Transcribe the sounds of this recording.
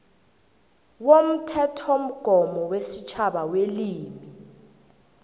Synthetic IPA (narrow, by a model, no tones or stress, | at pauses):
wom̩tʰɛtʰom̩ɡ̥ʱɔmɔwesit͡ʃʰaɓaweliːmi